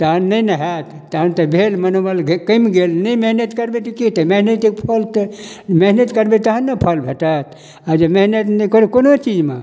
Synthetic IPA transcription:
t̪əɦənːəjnəɦat̪ːəɦənt̪əbʱelmənobalɡekəmɡelnəjmeɦnət̪kəɾbet̪ikit̪əmeɦnet̪ik̚pʰəlt̪meɦnət̪kəɾbet̪əɦənːəpʰəlbʱeʈat̪ | ad͡ʒemeɦnət̪nəkoɾekonot͡ʃid͡ʒme

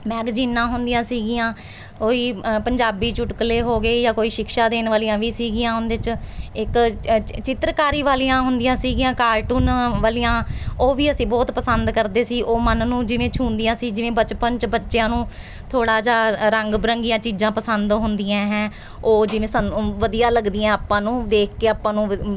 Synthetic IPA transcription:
mɛːɡziːnːãːɦʊnd̪ijãːsiːɡɪjãː | koːiːpəɲd͡ʒaːbiːt͡ʃʊʈkleːɦoːɡeːjaːkoːiːʃɪkʃaːd̪eːnʋaːlijãːʋiːsiːɡɪjãːɦʊnd̪et͡ʃɪkt͡ʃɪt̪ɾkaːɾiːʋaːlijãːɦʊnd̪ijãːsiːɡijãːkaːɾʈuːnʋaːliːjãːoːʋiːəsĩːbɔːt̪pəsənd̪kəɾd̪eːsiːʔoːmənːũːd͡ʒɪʋẽːt͡ʃʰũːnd̪ijãːsiːd͡ʒɪʋẽːbət͡ʃpənt͡ʃbətːʃejãːnũː | t̪ʰoːɽaːd͡ʒaːɾəŋɡbɾəŋɡijãːt͡ʃiːd͡ʒãːpəsənd̪ɦʊnd̪iãːɦɛ̃ː | oːd͡ʒɪʋẽːsənʋəd̪ijaːləɡd̪ɪjãːaːpːãːnũːd̪eːkʰkeːaːpãːnũː

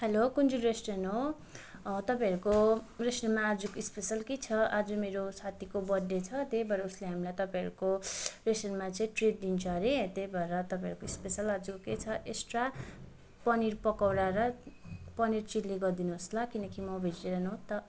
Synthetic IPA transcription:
helokund͡zulresʈenɦo | t̪ʌpãʌɾukoresʈenmaːd͡zukoispesʌlket͡sʰʌʔad͡zumeɾosʰat̪ʰikobʌdːet͡sʰʌt̪ejbʱʌɾʌusleɦamilajt̪ʌpãj̃ɦʌ̰ɾukoresʈenmat͡saĩʈred̚d̪int͡sʰʌɾet̪ejbʱʌɾʌt̪ʌpãʌɾukoispesʌlad͡zuket͡sʰʌʔesʈra | pʌniɾpʌkawɾaɾʌpʌnirt͡silːiɡʌrd̪inuɦʌslakinʌkimʌbʱed͡ziʈeɾʌnot̪ʌ

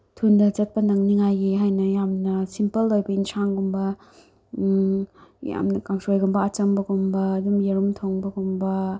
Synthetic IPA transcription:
tʰundɐt͡ʃɐt̚pɐnɐŋniŋajɡiɦajnɐjamnɐsimpɐlːojbɐinsaŋɡumbɐ | ja̰mnɐkaŋsojɡumbɐat͡ʃɐŋbɐɡumbɐːdumjeɾumtʰoŋbɐɡumbɐ

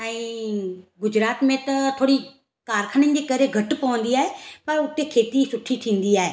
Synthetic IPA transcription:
ɛ̃ː | ɡʊd͡ʑɾaːt̪mẽt̪ɐt̪ʰoːɽi | kaːɾkʰənənɪ̆d͡ʑeːkɐɾeɡʱɐʈ̆pɐʋə̃n̆d̪iaːɦepɐɾʊt̪ekʰeːt̪isʊʈʰiʈ̪ʰĩːn̆d̪iaːɦeː

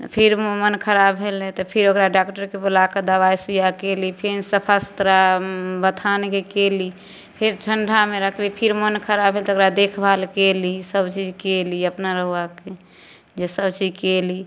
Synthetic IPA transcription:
pʰiɾmənkʰəɾabɦelɛt̪ɔpʰiɾokɾaɖakʈəɾkebolakəd̪əbaisujakelipʰinsəpʰasu̥t̪ɾabət̪ʰankekeli | pʰiɾʈʰəɳɖʱameɾəkʰlipʰiɾmənkʰəɾabʱɦelt̪okɾad̪ekʰbʱalkelisəbt͡ʃid͡ʒkeliəpnaɾəɦake | d͡ʒesəbt͡ʃid͡ʒkeli

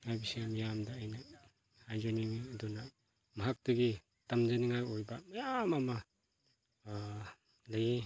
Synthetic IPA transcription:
ŋajbisamijamdaːjna | hajzoniŋiɐduna | maɦak̚tɐɡi | tamd͡ʒaniŋajojbamajamama | laje

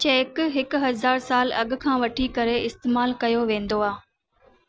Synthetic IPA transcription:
t͡ɕeːkɦɪkʊɦɐzaːɾsaːlɐɠʊ̆kʰãːʋɐʈʰikɐɾeɪst̪eːmaːlkɐjoʋẽːnd̪oaː

